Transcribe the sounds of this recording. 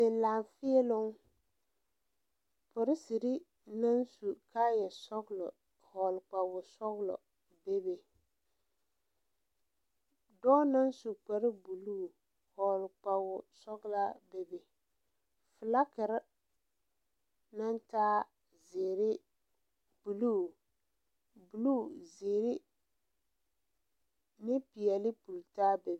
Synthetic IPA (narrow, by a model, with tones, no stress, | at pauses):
ɪ˨n˦laː˨ɱ˨fɪ˦ɛ˦lʊ˦ŋ | pʊ˨ɾɪ˦si˨ɾɪ˦ | na˦nsu˨ka˦jɛ˨sɔ˦ɣlɔ̰˨ | hɔ˨lk͡pa˨wʊ˨sɔ˦ɣlɔ̰˨ | be˦be˨ | dɔ˦na˦n˦su˨k͡pa˨ɾɪ˦bu˨lu˦ | hɔ˨lk͡pa˨wʊ˨sɔ˦ɡla˦be˦be˨ | fɪ˨la˦kɪ˨ɾ | na˦ntaː˦ | ze˨ɾɪ˦ | bu˨lu˦ | bu˨lu˦˨zeː˨ɾɪ˦ | nɪ˦pi˨jɛ˨lɪ˦pu˨ltaː˦be˨b